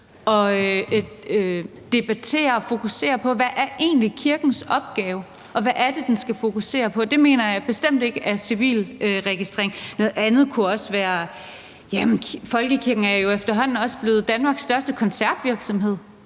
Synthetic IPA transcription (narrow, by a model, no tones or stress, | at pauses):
ɒ̽ø | ø | d̥e̝b̥æt͡sʰe̝̰ːɐɒ̽fo̝kuse̝̰ːɐpʰɒ̽ʋæʔæɐʔe̝̰ːnlikʰiɐɡ̥n̩sɒ̽b̥̚ɡ̥ɛːʊ | ʔɒ̽ʋæʔæɐd̥e̝d̥ensɡ̥æfo̝kʰuse̝̰ːɐpʰɒ̽d̥e̝me̝̰ːnɐjɑ̈ɪb̥e̝sd̥em̰d̥e̝ɡ̥əæɐsiʋḭːløʁɛɡ̥isd̥ʁḛeŋnɔ̽ːð̩ˠænð̞̩ˠkʰuɒ̽sʋæːɐ | jæmenʰfɒ̽lɡ̥əkʰiɐɡ̥n̩æɐjo̝efd̥ɐɦɒ̽n̰n̩ɒ̽sb̥le̝ːð̞̩ˠd̥ænmɑ̈ːɡ̥sːd̥ɶɐsd̥əkʰɒ̽nsæɐd̥ʋiɐɡ̥sɒ̽mɦe̝ð̞̰ˠ